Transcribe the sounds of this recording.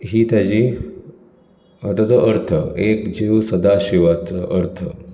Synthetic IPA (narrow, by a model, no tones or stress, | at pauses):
ɦiːt̪jad͡ʑiː | ɦət̪at͡səʔəɾt̪ʰəekd͡ʑiʋsəd̪aɕiʋat͡səʔəɾt̪ʰə